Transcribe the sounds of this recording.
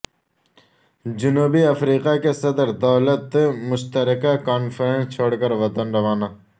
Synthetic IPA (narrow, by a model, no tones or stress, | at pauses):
d͡ʒʊnuːbiɐfɾiːqakesɐd̪əɾd̪ɐːlət̪mʊʃt̪əɾɪkakaːnfʰəɾẽnst͡ʃʰoːɽkəɾʋɐt̪ənɾɐʋaːnaː